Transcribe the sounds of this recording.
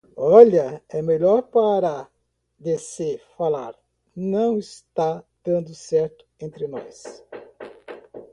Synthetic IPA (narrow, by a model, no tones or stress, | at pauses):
ɔʎɐɛmeʎɔɾpaɾɐ | d̪esɪfalaɾ | nɐ̃w̃ɪst̪ad̪̥ɐ̃nd̪ʊsɛɾt̪ʊ̥ẽnt̪ɾɪnɔ̰s